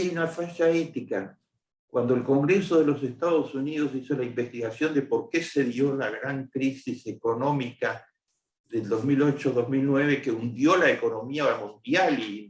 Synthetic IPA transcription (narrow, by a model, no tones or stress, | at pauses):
junafaʃaet̪ika | kwand̪o̞elko̞ŋɡɾe̞so̞ð̞e̞lo̞s̬est̪aðosunið̞o̞s̬isolaimbe̞st̪iɣasjo̞nd̪e̞po̞ɾke̞se̞ðjo̞laɣɾaŋkɾisise̞ko̞no̞mika | ðeld̪o̞zmilo̞t͡ʃoðo̞zmilnweβe̞ke̞und̪jo̞laeko̞no̞miaoamũnd̪jali